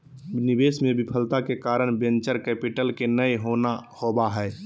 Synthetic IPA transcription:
nibesmebipʰəlt̪akekaːɾəɽ̃bẽnt͡ʃəɾkɛːpiʈəlkenəjɦonahobaɦɛː

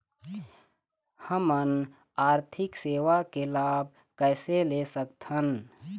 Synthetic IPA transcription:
həmən | aːɾt̪ʰɪkseːʋakelaːb̚ | kəːɪselesək̚t̪hən

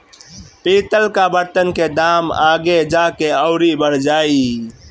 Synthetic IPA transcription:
pit̪əlkabəɾt̪ənked̪aːmaːɡed͡ʒakeəʊɾibəɾd͡ʒaːi

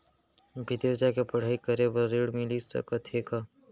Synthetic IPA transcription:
bʱɪd̪eːsd͡ʒaːkepɐɽ̤aːikəɾebəːeɽmɪlisɐ̰kɐt̪ʰeːkaː

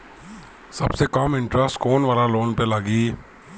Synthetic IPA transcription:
sɐbsekamɪ̃ɳʈɾəsʈkoːnʋaːlaloːnpelaɡiː

